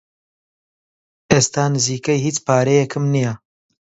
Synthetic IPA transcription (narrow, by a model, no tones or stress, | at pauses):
eːst̪aːnɨziːkɐjhiːt͡spaːɾejɛkʰɨmnija